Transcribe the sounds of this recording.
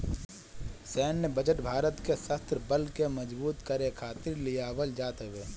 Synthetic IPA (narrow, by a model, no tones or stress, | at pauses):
sɛːnːebəd͡ʒəʈbʱaːɾət̪kesəst̪ɾəbəlkemɐd͡ʒbuːt̪kɐɾekʰaːt̪ɪɾlijaːʋəld͡ʒaːt̪əʋeː